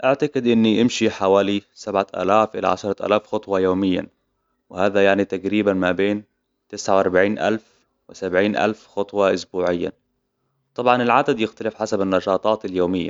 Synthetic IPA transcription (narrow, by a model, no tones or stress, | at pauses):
ʔaʕt̪aɡɪd̪ʔɪnːiʔɪmʃiħawaːlisabʕaʔa̰ːlaːfʔɪ̰la̰ʕa̰ʃɑɾˤɑʔa̰ːlaːfxɑt̪ˤwɑjoːmɪjːa̰ | wɪhaːðajaʕnit̪aɡɾiːbanmabeːn | t̪ɪsʕawɑɾˤbaʕiːnʔa̰lf | wɪsabʕiːnʔa̰lfxɑt̪ˤwɑʔʊsbuːʕɪjːa̰ | t̪ˤɑbʕɑnɪlʕad̪ad̪jɪxt̪alɪfħasabɪnːɑʃɑːt̪ˤɑːt̪ɪljoːmɪjːa̰